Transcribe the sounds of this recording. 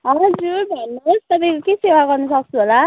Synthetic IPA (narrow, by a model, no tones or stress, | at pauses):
ɦʌɦd͡zurbʱʌnːʌst̪ʌpaj̃kokesewaɡʌrnʌsʌk̚t͡sʰuɦola